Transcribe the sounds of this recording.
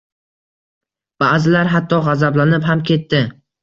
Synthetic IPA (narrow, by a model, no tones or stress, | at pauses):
b̥aːzɪlaɾɦat̪ʰːɒʁɑzablanɪpɦamkʲʰe̞t̪ʰːɪ